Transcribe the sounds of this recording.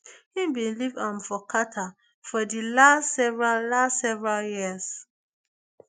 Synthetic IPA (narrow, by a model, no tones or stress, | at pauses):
hĩmbĩnlivãmfɔkʰatʰa | fɔdilastsɛvɹallastsɛvɹaljis